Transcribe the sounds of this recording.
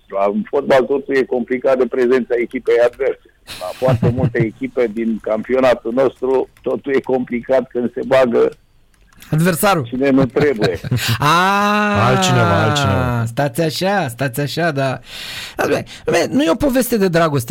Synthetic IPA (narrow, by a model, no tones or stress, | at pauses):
launfo̞t̪̚balt̪o̞t̪ulje̞ko̞mplikat̪̚d̪e̞pɾe̞ze̞nt̪saekʲipejad̪ve̞rsela̰fuʊart̪e̞mult̪eːkʲipe̞d̪inkampio̞nat̪uno̞st̪ɾut̪o̞t̪ulje̞ko̞mplikat̪kɨnd̪se̞baɡə | ad̪versaɾut͡ʃinenut̪ɾebuje̞a | alt͡ʃineva̰a̰lt͡ʃiest̪at̪sʲaʃast̪at̪sʲaʃad̪aad̪ume | menujeo̞po̞ve̞st̪ed̪e̞d̪ɾaɡo̞st̪e